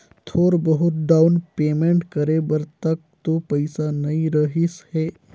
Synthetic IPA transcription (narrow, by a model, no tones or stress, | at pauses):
t̪ʰoːɾbəɦʊt̪̚ɖawnpeːmẽɳʈkəɾebəɾt̪ək̚t̪opəɪsanɐĩɾəɦisheː